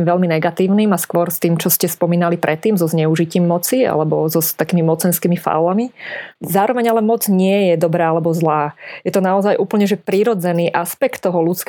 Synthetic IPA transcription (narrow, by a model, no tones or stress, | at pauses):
mʋɛʎminɛɡat̪iːʊniːmaskʋɔɾst̪iːmt͡ʃɔscɛspɔmiːnalipɾʔɛt̪ːiːmzɔzɲɛuʒiciːmːɔt͡sia̰lɛbɔzɔt̪akiːmimɔt͡sɛnskiːmifa̰lamizaːɾɔʋɛɲalɛmɔd͡zɲɪɛjɛd̪ɔbɾaːalɛbɔzlaːjɛt̪ɔnaɔzajʔuːpl̩ɲɛʒɛpɾiɾɔd͡zɛniːʔaspɛkt̪ːɔɦɔlut͡sk